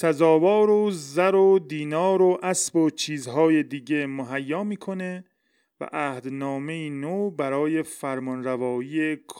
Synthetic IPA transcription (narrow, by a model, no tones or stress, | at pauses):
sæzɒːvɒːɾozæɾod̪iːnɒːɾoʔæsbot͡ʃʰiːzɦɒːje̞d̪iːɟe̞moɦæjːɒːmiːkʰo̞ne̞ | væ̰ʔæːhd̪nɒːme̞iːnobæɾɒːje̞fæɾmɔnɾævɒːjiːekʰː